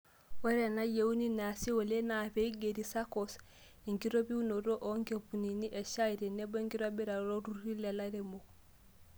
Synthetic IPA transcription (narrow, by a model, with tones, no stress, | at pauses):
we˦ɾe˨na˦je˦u˦ni˦na˨si˦wo˨le˦na˨pe˦i˦ɡe˨ɾi˨sa˦kos | e˨ŋɡi˦ɾo˦bi˦u˦no˨ɾo˦ʔo˦ŋɡe˨pu˨ni˨ni˦ʔe˨ʃa˦i˨ɾe˨ne˦bo˦ŋɡi˦ɾo˦bi˦ɾa˨ɾo˦ɾu˦ɾi˦le˨la˦ɾe˨mo